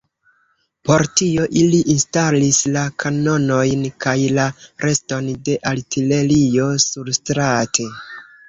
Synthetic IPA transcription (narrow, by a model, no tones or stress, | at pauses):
po̞ɾtio̞ʔiliʔinstalislakʰano̞no̞jnkʰajlaɾʔe̞sto̞nde̞ʔaltʰile̞lio̞suɾstɾatʰe̞